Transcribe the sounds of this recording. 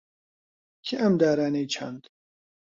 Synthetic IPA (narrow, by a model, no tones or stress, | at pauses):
kʰiʔɐmd̪aːɾaːnejt͡ʃʰa̰nd̪